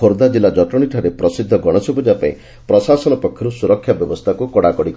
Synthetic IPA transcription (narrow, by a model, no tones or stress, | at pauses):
oɾd̪ad͡ʒilad͡ʒɔʈɾɔɽ̃iʈʰaɾepɾɔsid̪ʱːɔɡɔɽ̃ɔsɔbud͡ʒapaḭ̃ | pɾɔsasɔnɔpɔkʰjɔɾusuɾɔkʰːjabjɔbɔst̪ʰakukɔɽakɔɽik